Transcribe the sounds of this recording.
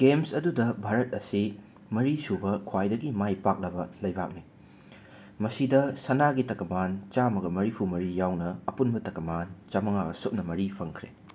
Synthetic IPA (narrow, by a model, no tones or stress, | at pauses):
ɡ̥emsɐdudɐbʱaɾɐt̚ɐsi | mɐɾisubɐkʰwajdɐɡimajpak̚lɐbɐlɐjbak̚ni | mɐsidɐsɐnaɡitɐkɐmant͡ʃamɐɡɐmɐɾipʰumɐɾijawnɐːpunbɐtɐkɐmant͡ʃɐmɐŋaɡɐ̰sop̚nɐmɐɾipʰɐŋkʰɾe